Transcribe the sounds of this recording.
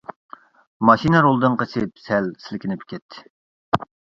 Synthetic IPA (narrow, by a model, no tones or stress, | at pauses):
mɑʃinɨɾolˠd̪ɨŋqəsɪp̚sɛlsɪlɪkʲinɪpkʲʰɛt̪ʰːɪ̥